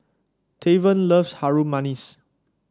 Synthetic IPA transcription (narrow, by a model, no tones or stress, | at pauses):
tʰevə̃nləfshaɹumãnis